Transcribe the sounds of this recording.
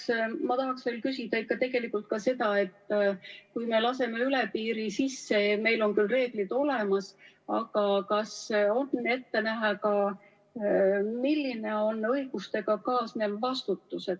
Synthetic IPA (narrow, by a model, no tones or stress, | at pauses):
smɑt̪ɑɦɑksvelkysid̪̥ɑikːɑt̪e̞ɡ̥e̞likːˑult̪̚kɑse̞d̪ɑe̞t̪ːkujme̞lɑse̞me̞yle̞piːɾisisːe̞me̞jlo̞nkylre̞ːɡ̥lid̪̥o̞le̞mɑs | ɑɡ̥ɑkɑso̞ne̞t̪ːe̞næɦɑkɑ | milːine̞o̞nːɤjɡ̥ust̪e̞ɡ̥ɑkɑːsneːlvɑst̪ut̪ːuse̞d̪̥̚